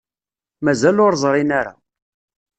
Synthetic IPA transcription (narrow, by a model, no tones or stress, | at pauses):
mæzælʊɾˤzˤɾˤinaɾa̰